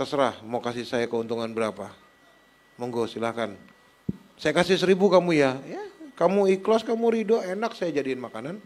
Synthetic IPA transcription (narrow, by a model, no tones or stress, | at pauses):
tasəɾahmakasihsajakəunt̪uŋanbəɾapa | məŋɡosilahkan | sajakasihsəɾibukamujajakamuiklɔskamuɾidoenaksajad͡ʒadiːnmakanan